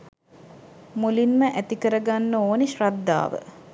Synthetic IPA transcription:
mulinməʔæt̪ikəɾəɡanːəoːneʃrad̪ːa̰ːʋə̰

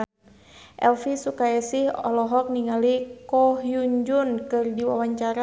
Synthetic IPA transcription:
ʔɛ̰lfisukajasɪhɔ̰lɔɦɔk̚niŋalikɔhjuɲd͡ʒunkɨrdiwawaɲt͡ʃaɾa

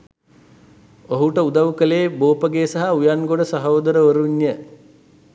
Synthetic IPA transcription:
oɦuʈəud̪awukəleːboːpəɡeːsaɦaujanɡoɖəsaɦoːd̪əɾəʋəɾuɲjə

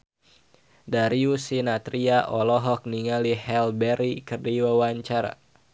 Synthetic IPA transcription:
daɾiusinat̪ɾiaʔɔlɔɦɔk̚niŋalihɛlbɛɾikərdiwawaɲt͡ʃaɾa̰

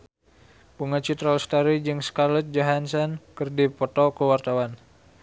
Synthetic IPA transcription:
puŋat͡ʃit̪ɾalst̪aɾid͡ʒɨŋskalət̪̚d͡ʒaɦansɔnkɨrdipɔt̪ɔkəwart̪awan

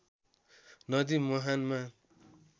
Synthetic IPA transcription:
nʌd̪imɔɦanma

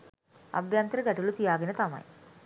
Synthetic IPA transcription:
ɐ̰bjaːnt̪əɾəɡaʈulut̪ijaːɡenət̪amɐ̰j

